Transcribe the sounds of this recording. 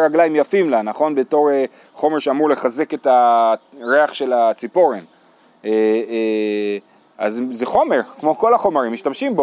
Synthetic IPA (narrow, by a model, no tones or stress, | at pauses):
ʁaɡlaimjafimlanaχo̞nbe̞to̞ʁe | χo̞meʁʃeamuʁle̞χaze̞ke̞ta | ʁeaχʃe̞lat͡sipo̞ʁen | e | a̰zzeχo̞me̞ʁkmo̞ko̞laχo̞maʁimːiʃtamʃimbo